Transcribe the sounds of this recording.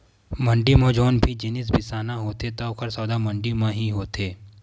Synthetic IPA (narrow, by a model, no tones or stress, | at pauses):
mɐ̃ɳɖimõːd͡ʒɔːnbʱid͡ʒɪnɪs̬bʱɪsaːnaɦoːt̪et̪aʊkʰəɾsɔːd̪amɐ̃ɳɖimãɦiɦoːt̪eː